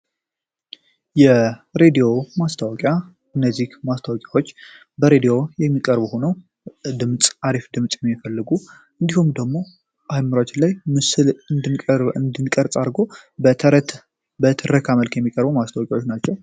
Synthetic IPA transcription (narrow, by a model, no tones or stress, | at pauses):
jɛɾe̞d̪io̞mast̪ʰawɔkʼja | ɨnːəzːihmast̪ʰawɔkʼjawo̞t͡ʃː | bəɾe̞d̪ijo̞jɛmːikʼəɾbuho̞nəw | d̪ɨmt͡sʼaɾifd̪ɨmt͡sʼjɛmːifəlːɨɡu | ɨnd̪ihumd̪əɡmo̞ | ajmɨɾat͡ʃɪlajmɨsɨlɨnɨnd̪ɨnkʼəɾt͡sʼaɾɡo̞ | bət̪ʰɨɾəkʰaməlkjɛmːikʼəɾbumast̪ʰawɔkʼawo̞t͡ʃːnat͡ʃːɛw